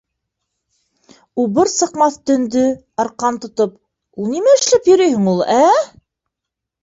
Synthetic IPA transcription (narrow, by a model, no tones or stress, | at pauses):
ubɘɾsɤ̆qmɑθt̪ɵ̆nd̪ɵ | ɑɾqɑnt̪ŏt̪op | ulˠnimæɘ̆ʃlæpjɵ̆ɾɵjhɘ̆ŋulˠæ